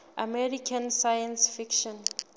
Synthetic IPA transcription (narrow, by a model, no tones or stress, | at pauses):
ʔamɛɾikʰãnsajãnsfikʃɔ̃n